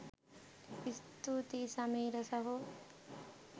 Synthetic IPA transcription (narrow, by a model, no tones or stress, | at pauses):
ist̪ut̪isɐmiːɾɐsɐɦo